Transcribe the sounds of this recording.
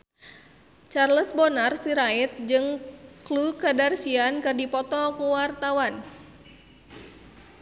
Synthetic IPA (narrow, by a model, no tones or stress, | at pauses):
t͡ʃarləsbɔnarsiɾait̪̚d͡ʒɨŋklukadarsiankɨrdipɔt̪ɔkuwart̪awan